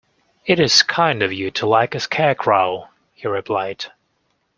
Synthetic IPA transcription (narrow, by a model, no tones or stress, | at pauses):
ɨɾɨz̥kʰãɪ̃ndʌvjɨɾʰəlaɪkɨskʰækʰɹoʊlˠ | hiɹɨpʰl̥aɪd̥